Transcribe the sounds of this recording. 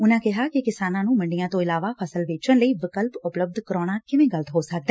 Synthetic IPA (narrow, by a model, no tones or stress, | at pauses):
ʊnãːkɪɦaːkɪkɪsaːnãːnũːməɳɖɪjãːt̪õːɪlaːʋaːpʰəsəlʋeːt͡ʃənləiːʋɪkəlpʊpləb̚d̪kəɾoːɽ̃aːkɪʋẽːɡələt̪ɦoːsək̚d̪ɛː